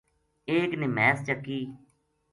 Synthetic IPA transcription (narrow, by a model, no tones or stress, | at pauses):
eːknɪmɛːst͡ʃəkːiː